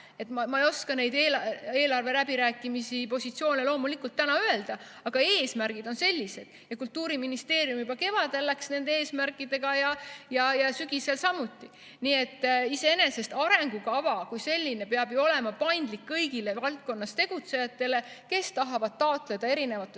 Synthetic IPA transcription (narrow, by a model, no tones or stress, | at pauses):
e̞t̪mɑmɑejo̞skɑne̞jd̪eːle̞ːlɑrve̞læbiɾæːkːˑimisipo̞sʲit̪sio̞ːnelo̞ːmulikult̪ːænɑøe̞ld̪̥ɑ | ɑɡ̥ɑeːsmæɾɡ̥id̪o̞nse̞lʲːise̞d̪̥jɑkult̪ːˑuːɾiminist̪e̞ːɾjumjubɑke̞vɑd̪e̞lːæksne̞nd̪eeːsmærkːˑid̪̥e̞ɡ̥ɑjɑjɑjɑsyɡiselsɑmut̪ːˑi | nie̞t̪ːise̞e̞ne̞se̞st̪ɑɾe̞ŋɡukɑvɑkujse̞lʲːine̞peɑb̥juo̞le̞mɑpɑjnd̪̥likːɤjɡile̞vɑlt̪̚ko̞nːɑst̪e̞ɡ̥ut̪se̞jɑt̪ːˑe̞le̞ke̞st̪ɑɦɑvɑd̪̥̚t̪ɑot̪ˑle̞d̪̥ɑe̞ɾine̞vɑt̪ːˑe